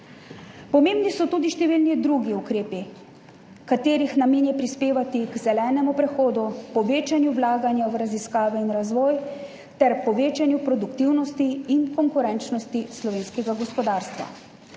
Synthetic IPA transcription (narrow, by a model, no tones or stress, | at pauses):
pɔmeːmbnisɔt̪ud̪iʃt̪ɛʋilnid̪ɾuɡiukɾeːpi | kat̪eːɾixnameːnjɛpɾispeːʋat̪iɡzɛlɛːnɛmupɾɛxoːd̪upɔʋeːt͡ʃanjuwlaːɡanjawɾaziskaːʋɛinɾazʋɔːj | t̪ɛɾpɔʋeːt͡ʃanjupɾɔd̪ukt̪iwnɔst̪iːnkɔŋkuɾɛnt͡ʃnɔst̪islɔʋeːnskɛɡaɡɔspɔd̪aːɾst̪ʋa̰